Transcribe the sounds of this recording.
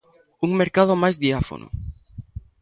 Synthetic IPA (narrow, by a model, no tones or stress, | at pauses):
uŋmeɾkað̞omajzðiafo̰no̰